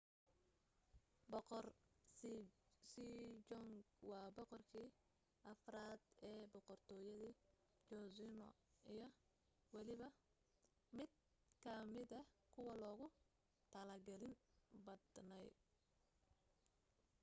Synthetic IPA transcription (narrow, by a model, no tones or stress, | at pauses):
bɔqɔr | sid͡ʒɔŋɡ | wɑːbɔqɔrkʰiː | ʔɐfraːd̪ɛːbɔqɔrt̪ʰɔːjɐðiː | t͡ʃɔsɪnɔ̰ijɞ | wɑlɪβɐ | mɪd̪̥ | kʰɐmɪd̪ɐkʰʊwɐlɔːɣʊ | t̪ʰɐlɐrɡɐlɪnbɐd̪nɛj